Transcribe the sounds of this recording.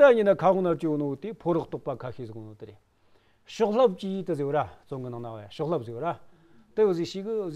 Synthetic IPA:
aɲənakʰaʁoŋnart͡ɕowonowot̪e̥pʰoɾaχht̪oχpakʰaɕʰizəkɦonot̪əɾel | ɕoχɬap̚t͡ɕit̪əɦziwrat͡soŋɡənaŋnawajaɕoχɬap̚ɦziwra | t̪əjoziɕikəz

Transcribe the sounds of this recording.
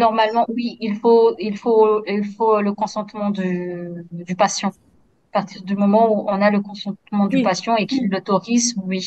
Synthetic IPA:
nɔʁmalmɑ̃wiilfoilfoilfoləkɔ̃sɑ̃t̪mɑ̃d̪y | d̪ypasjɑ̃ | apaʁt̪ʰiʁd̪ymɔmɑ̃uɔ̃naləkɔ̃sɑ̃t̪mɑ̃d̪ypasjɑ̃ekʲilːɔt̪ɔʁizwi

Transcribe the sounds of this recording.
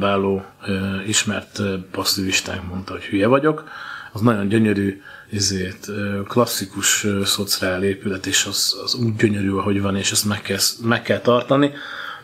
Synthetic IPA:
vaːloːiʃmɛ̰rt̪pɒsːiviʃt̪a̰ːŋkmo̞nt̪ɒho̞chyjɛvɒɟo̞kɒznɒɟo̞ɲɟø̞ɲøɾyːizeːt̪ːklɒsːikuʃøsot̪sraːleːpylɛt̪eːʃɒzzuːɟːøɲøɾyːɒɦo̞ɟvɒneːʃɛst̪mɛkːɛsmɛkːɛlt̪ɒrt̪ɒni

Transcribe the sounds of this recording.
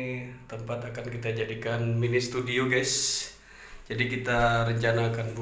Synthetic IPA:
t̪əmpat̪akankit̪ad͡ʒadikanminist̪udioɡas | d͡ʒadikit̪aɾəɲt͡ʃanaːkanbu

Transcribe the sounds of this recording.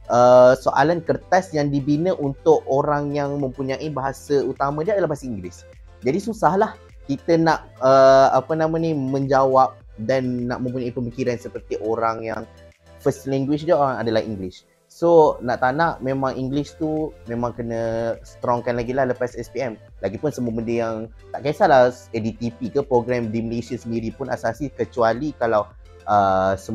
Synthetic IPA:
ʔəsoʔalankərt̪asjaŋdibinəʔunt̪ʊʔoɾaŋjaŋmə̃mpuɲãʔibaɦasəut̪amãdiadalahbaɦasiiŋɡlɪs | d͡ʒadisusahlah | kit̪ənaʔəapənãmãnĩmə̃ɲd͡ʒawap̚ | danːa̰ʔmə̃mp̬uɲaipəmikiɾansəpərt̪iʔoɾaŋja̰ŋ | fəst̪lɛŋɡwiʃdiəoɾaŋadalahḭŋɡlɪs | sonaʔt̪anaʔmẽmãŋiŋɡlist̪umẽmãŋkənə̃sə̥t̪ɾɔŋkanlaɡilahləpasɛspiɛm | laɡipʊnsəməməndijaŋ | t̪aʔkasala | ɛdit̪ipikəpɾoɡɾɛmdiməlesiasəndiɾipʊna̰sasikət͡ʃualikalaw | ʔəsə

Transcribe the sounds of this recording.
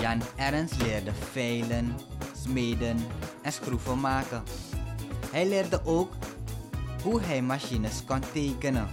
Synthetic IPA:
jɑnɛrənslɪːrdəfɛjlənsmeːjdənɛnsxruvəmaːkə | ɦɛjlɪːrdəʔowk | ɦuɦɛjmaʃinəskɔnteːkənən

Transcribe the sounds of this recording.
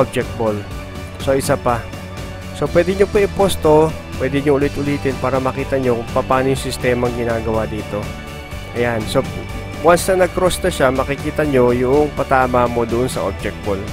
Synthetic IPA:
ʔob̚d͡ʒɛk̚t̪̚bol | so̞ʔɪsapɐ | so̞pwɛːd̪ɪɲopɐɪpost̪o̞ | pwɛːd̪ɪɲoʔʊlɪt̪ʔʊliːt̪ɪnpaːɾɐmɐkiːt̪ɐɲokʊŋpɐpaːnojʊŋsɪst̪ɛːmɐŋɡɪnaːɡɐwad̪iːt̪o̞ | ʔɐjanso̞ | wɐsɐnɐɡ̚kɾost̪ɐʃamɐkɪkiːt̪ɐɲo̞jʊʔoŋpɐt̪aːmamo̞d̪ʊʔonsɐ̰ʔob̚d͡ʒɛk̚t̪̚bol

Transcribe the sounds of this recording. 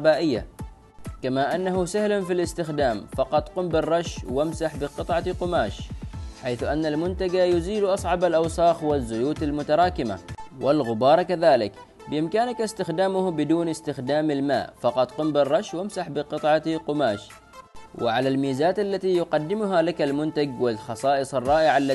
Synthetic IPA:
baːʔɪjːa̰ | kamaʔanːaɦusahlanfilɪst̪ɪxd̪aːmfɑqɑt̪ˤqʊmbɪrˤːɑʃwamsaħbɪqɨt̪ˤʕɑqʊmaːʃħajθʔanːalmʊnt̪aɡajʊziːlʔɑsˤʕɑbalʔɑwsˤɑːxwazːʊjuːt̪almʊt̪ɑɾˤɑːkɪma̰wʔɪlɣʊbɑːɾˤkaðaːlɪk | bɪʔɪmkaːnakast̪ɪxd̪aːmʊhbɪd̪uːnɪst̪ɪxd̪aːmalma̰ːʔfɑqɑt̪ˤqʊmbɪrˤːɑʃwamsaħbɪqɨt̪ˤʕɑqʊmaːʃ | wɪ̰ʕalalmiːzaːt̪alːat̪ijʊqɑd̪ːɪmʊɦalakalmʊnt̪aɡwɪlxɑsˤɑːʔɨsˤɑrˤːɑːʔɪʕalːa

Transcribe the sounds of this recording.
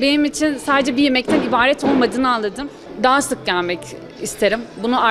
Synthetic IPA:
be̞nimit͡ʃʰinsaːd̪ed͡ʒɛbije̞mɛc̚t̪ʰɛnibaːɾɛt̪ʰo̞lˠmad̪ɯːnɯanlˠad̪ɯm | d̪aɦasɯk̚ɟælʲmɛc | ist̪ʰe̞ɾimbunua

